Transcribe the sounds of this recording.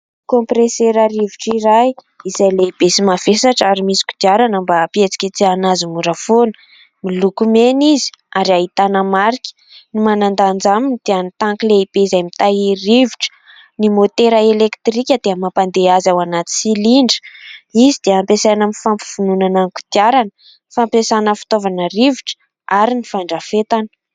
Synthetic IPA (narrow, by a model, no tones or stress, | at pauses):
kõmpɾeseɾaɾiviʈ͡ʂiɾaj | izajleib̥esimav̥esaʈ͡ʂaɾimisi̥kʲu̥d̪̥iaɾanəmbapiet͡si̥kʲət͡sianazimuɾəfonə̥ | milukumenizi̥aɾiaɦit̪anəmaɾikʲə̥ | nimanand̪and͡zamind̪̥eanit̪aŋkileib̥eizajmit̪airiviʈ͡ʂə̥ | nimot̪eɾəelekt̪rikʲəd̪̥eəmapand̪eazawanat̪i̥siliɳɖ͡ʐə̥izid̪̥eampesanəmifampi̥v̥ununanaŋku̥t̪iaɾanə | fampesanəfi̥t̪ovanəriviʈ͡ʂə̥ | aɾinifaɳɖ͡ʐafet̪anə̥